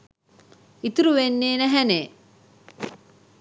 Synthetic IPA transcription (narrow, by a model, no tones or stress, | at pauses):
it̪uɾuʋenːeːnæɦæne